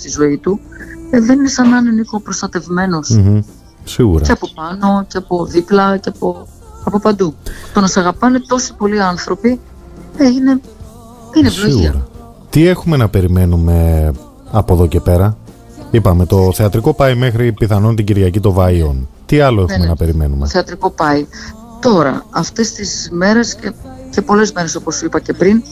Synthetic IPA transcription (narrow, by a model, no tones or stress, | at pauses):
st̪izo̞it̪uðeninesɐnɐɐnenikopɾo̞st̪ɐt̪e̞vme̞no̞s̩ | siɣuɾɐeɐpopɐno̞ceɐpo̞ðiplɐceɐpo | ɐpo̞pɐnd̪ut̪o̞nɐsɐɣɐpɐne̞t̪o̞si̥po̞liɐnθɾo̞pi | eine̞ | inesvloiiɾɐ | t̪ie̞xume̞nɐpe̞ɾime̞nume̞ | ɐpoðo̞ce̞pe̞ɾɐ | ipɐme̞t̪o̞θeɐt̪ɾiko̞pɐjme̞xɾipiθɐnont̪iɟiɾʝɐcit̪o̞vɐio̞nt̪iɐlo̞exumenɐpe̞ɾime̞numeθeɐt̪ɾiko̞pɐi | t̪o̞ɾɐ̰ɐft̪e̞st̪izme̞ɾe̞scece̞po̞le̞zme̞ɾe̞so̞po̞suipɐce̞pɾin